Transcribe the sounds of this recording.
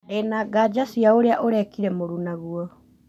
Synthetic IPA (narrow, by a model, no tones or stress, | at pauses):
enaɡad͡ʒasiaoɾeaʔoɾɛkiɾɛmoɾunaɣuɔ